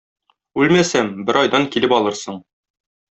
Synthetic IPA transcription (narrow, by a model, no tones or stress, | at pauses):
ʉlmæsæmbɘɾɒjd̪ɑŋkilɘpɒlˠɤɾsɤɴ